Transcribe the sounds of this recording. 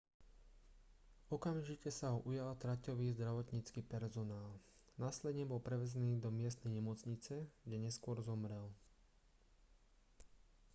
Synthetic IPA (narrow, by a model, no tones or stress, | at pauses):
ɔkamʒicɛsaɦɔʔujalt̪ɾacɔʋiːzd̪ɾaʋɔt̪ɲit͡skiːpɛɾzɔnaːlnaːslɛd̪ɲɛbɔlpɾɛʋɛzɛniːd̪ɔmɪɛs̬t̪nɛjɲɛmɔt͡sɲit͡sɛɡɟɛɲɛskʊɔɾzɔmɾɛl